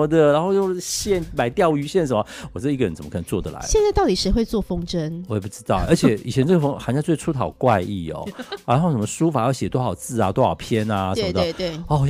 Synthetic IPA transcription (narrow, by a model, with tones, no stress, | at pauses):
ə˧d̪ə˨ɻa˧˥nxo˥˧ʊjo˥˧ʊɕjɛ˥˧nma˨˩ɪt̪jɑ˥˨˩ʊy˧˥ɕjɛ˥˩nʂ̬ə˧˦mə˧wɔ˨˩t͡ɕ̩˥d̪i˥˧ə˩ɻə˧˦nt͡sə˨˩mə˦kʰni˧˩t͡swɔ˥˩d̪ə˩la̰˧˦jɛ˥˧nt͡sa˥ɪt̪ɑ˥ʊt̪i˨˩ʂɻ̩˧˥xwe˥˧ɪt͡swɔ˥˩fo˥ŋʈ͡ʂə˥nwɔ˧˥jɛ˨˩p̬u˥˩ʈ͡ʂɻ̩˥t̪ɑ˥˩ʊʔə˞˧˥t͡ɕʰjɛ˨˩˦i˨˩t͡ɕʰjɛ˧˥nʈ͡ʂɤ˥˩ɡə˩fo˥xa˧˥nt͡ɕjt͡swe˥˩ʈ͡ʂʰu˥t̪ʰɑ˨˩ʊkwa˥˧ɪi˥˩ɔ̰˨˩ɻa˧˥o˥˩ʂə˧˦mə˧ʂu˥fa˨˩˦jɑ˥˩ɕjɛ˨˩t̪xɑ˨˩ʊt͡sɹ̩˥˩a˨t̪o˥xɑ̰˨˩ʊpʰjɛ˥na˧ə˧˦˧əd̪ə˥˧t̪we˥˩ɔ˥˩˨